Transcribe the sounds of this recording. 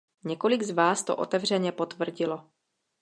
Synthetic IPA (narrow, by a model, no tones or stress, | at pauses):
ɲɛko̞lɪɡzvaːst̪o̰ʔo̰t̪ɛvr̝ɛɲɛpot̪vr̩ɟɪlo̞